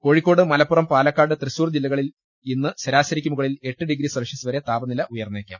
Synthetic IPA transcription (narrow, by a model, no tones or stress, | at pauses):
ko̞ːɻikːo̞ːɽɨmɐlɐpːurɐmpaːlɐkːaːɖɨt̪rɨsuːrd͡ʑilːɐɣɐɭil | inːɨɕɐɾaːɕɐɾikʲːumuɣɐɭile̞ʈːɨɖiɡɾisɐrɐʂɐsuʋɐɾet̪aːbɐnilɐʔujɐrnːeːkʲːa̰ːm